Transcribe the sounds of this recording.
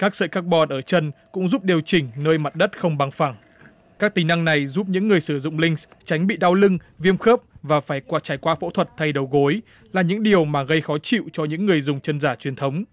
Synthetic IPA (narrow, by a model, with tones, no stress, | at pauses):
kaː˦˥k̚sə̰ː˧˨jkaː˦˥k̚ɓɔ˧˩nʔəː˧˩t͡ɕə˧nkʊ̰˧˥ŋ͡mzu˦˥p̚ɗi˨˩əwt͡ɕï˨˩ŋ̟nəː˧jma˨˩t̚ɗə˦˥t̚xə˧wŋ͡mɓa˨˩ŋfa˧˩ŋ | kaː˦˥k̚t̪ï˨˩na˧ŋna˨˩jzuː˦˥p̚ɲɨ̰˧˥ŋːɨ˨˩əjsɨ˧˩zʊ̰˧˨ŋ͡mlï˧ŋ̟st͡ɕa˨˦jŋ̟ɓḭ˧˨ɗaː˧wlɨ˧ŋ | vi˧əmxəː˦˥p̚vaː˨˩faː˧˩jkwaː˧t͡ɕaː˧˩jkwaː˧fo̰˧˥t̪ʰwə˨˩t̚t̪ʰa˧jɗə˨˩wɣo˨˦j | laː˨˩ɲɨ̰˧˥ŋɗi˨˩əwmaː˨˩ɣə˧jxɔ˨˦t͡ɕḭ˧˨wt͡ɕɔ˧ɲɨ̰˧˥ŋːɨ˨˩əjzʊ˨˩ŋ͡mt͡ɕə˧nzaː˧˩t͡ɕwi˨˩ənt̪ʰə˨˦wŋ͡m